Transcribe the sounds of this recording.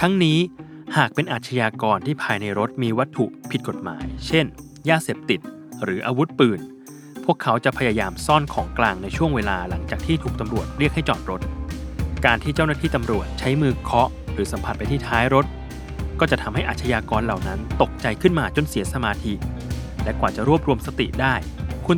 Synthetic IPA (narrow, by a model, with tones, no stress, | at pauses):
t̪ʰa˦˥ŋniː˦˥ | haː˨˩k̚pe˧nʔaː˨˩t̪̚t͡ɕʰa˧jaː˧kɔː˧nt̪ʰiː˥˩pʰaː˧jna˧jɾo˦˥t̪̚miː˧wa˦˥t̪ʰːu˨˩ʔpʰi˨˩t̪̚ko˨˩t̪̚ma̰ː˩˦jt͡ɕʰe˥˩n | jaː˥˩seː˨˩p̚t̪i˨˩t̪̚ | ɾɯː˩˦ʔaː˧wu˦˥t̪̚pɯː˨˩n | pʰu˥˩əkʰːa˦˥wt͡ɕa˨˩pʰa˧jaː˧jaː˧msɔː˥˩nkʰɔː˩˦ŋklaː˧ŋna˧jt͡ɕʰu˥˩əŋweː˧laː˧la˩˦ŋt͡ɕaː˨˩k̚t̪ʰiː˥˩t̪ʰuː˨˩k̚t̪a˧mɾu˨˩ət̪̚ɾi˥˩ək̚ha˥˩jt͡ɕɔ̰ː˨˩t̪̚ɾo˦˥t̪̚kaː˧nt̪ʰiː˥˩t͡ɕa˥˩wnaː˥˩t̪ʰiː˥˩t̪a˧mɾu˨˩ət̪̚t͡ɕʰa˦˥jmɯː˧kʰɔ˦˥ | ɾɯː˩˦sa˨˩˦mpʰa˨˩pa˧jt̪ʰiː˥˩t̪ʰaː˦˥jɾo˦˥t̪̚ | kɔː˥˩t͡ɕa˨˩t̪ʰa˧mɦa˥˩jʔaː˨˩t̪ʰa˧jaː˧kɔː˧nla˨˩wna˦˥nt̪o˨˩k̚t͡ɕa˧jkʰɯ˥˩nmaː˧t͡ɕo˧nsi˨˩˦sa˧maː˧t̪ʰi˧lɛ˦˥kwaː˨˩t͡ɕa˨˩ɾu˥˩əp̚ɾu˧əmsa˧t̪ḭ˨˩ʔdaː˥˩jkʰu˧